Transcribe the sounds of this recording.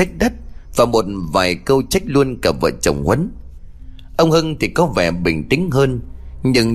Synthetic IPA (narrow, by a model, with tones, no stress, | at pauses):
a˦˥k̚ɗə˦˥t̚vaː˨˩mo˨˩t̚vaː˨˩jkə˧wt͡ɕa˦˥jk̟̚lu˧ənkə˨˩p̚və̰ː˧˨t͡ɕə̰˨˩wŋ͡mhwə˨˦n | ʔə˧wŋ͡mhɨ˧ŋt̪ʰi˨˩kɔ˨˦vɛ̰˨˩ɓï˨˩ŋ̟t̪ï˨˦ŋ̟ɦəː˧nɲɨ˧ŋ